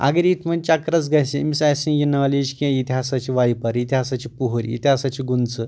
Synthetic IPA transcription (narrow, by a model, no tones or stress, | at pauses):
a̰ɡeɾit̪ʰmənt͡ɕakɾat͡sɡasemisajsĩnjinaʋlid͡ʑkiãjit̪ʰiɦasat͡ɕiʋajpaɾit̪ʰiɦasat͡ɕipuɦuɾʲḭt̪ʰʲasat͡ɕiɡunt͡sə